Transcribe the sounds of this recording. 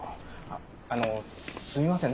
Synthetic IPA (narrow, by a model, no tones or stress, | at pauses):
anosɨmʲimasẽn